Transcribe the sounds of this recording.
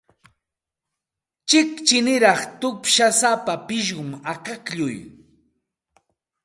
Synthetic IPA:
t͡ʃɪkt͡ʃɪnɪɾɑχt̪ʊpʃasapapɪʃ̬ɢʊmaqɑkʎʊj

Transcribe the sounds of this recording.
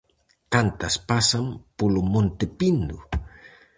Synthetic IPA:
kant̪aspasampulumunt̪ipindṵ

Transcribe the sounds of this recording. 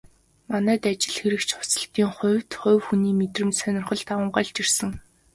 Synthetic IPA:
manæːt̪at͡ɕɪ̆ɮxeɾɘ̆kt͡ɕʰʊ̥sə̆ɬt̪iːŋχʊ̟wʲt̪χʊ̟wxuniːmet̪rɘ̆mt̪sœnʲɪ̆rχə̆ɮt̪aə̆ɴɢaɮt͡ɕirsɘ̆ŋ

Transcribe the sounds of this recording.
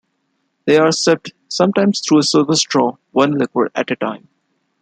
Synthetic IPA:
d̪̥eːaːɾsɛp̚ʈ | sʌ̃mʈãɪ̃mz̥t̪ʰɾuːəsəːfəsʈɾɔː | ʋʌ̃nlɪkwə̰ɾæ̰ʈəʈã̰ɪ̃m

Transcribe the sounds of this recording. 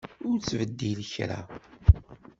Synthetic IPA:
ʊɾt͡sːvəd̪ːiləçɾa̰

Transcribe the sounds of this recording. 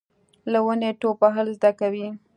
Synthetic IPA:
lawəneʈopaɦalzd̪akawi

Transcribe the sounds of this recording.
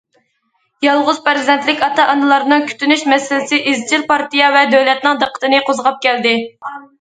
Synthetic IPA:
jɑlˠʁʊz̥pɪɾzd̪ɛnt̪lɪkʲɑt̪ɑʔɑnɨlˠɑɾnɨŋkʲʰy̥t̪ynyʃmɛsɪlɪsɪʔezt͡ʃʰilpɑɾt̪ijɑvɛd̪øwlɛt̪nɨŋd̪əqʰə̥t̪ɨnɨqʰozəʁɑp̚kʲʰɛld̪ɪ

